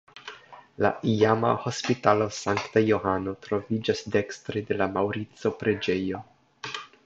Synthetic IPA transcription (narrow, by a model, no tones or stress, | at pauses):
la̰ʔiama̰ho̞spitalo̞saŋktajo̞hano̞tɾo̞vid͡ʒasde̞kstɾede̞lamawɾit͡so̞pɾe̞d͡ʒe̞jo̞